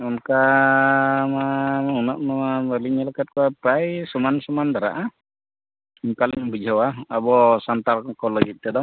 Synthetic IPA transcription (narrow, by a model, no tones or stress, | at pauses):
unka | maunɔʔ̚maaməliɲalakat̪̚kɔwapɾajsɔmansɔmand̪aɾa̰ʔa | iɲkaliɲbud͡ʒʱɔwaabɔsant̪alkɔlɔɡit̪̚t̪ɛd̪ɔ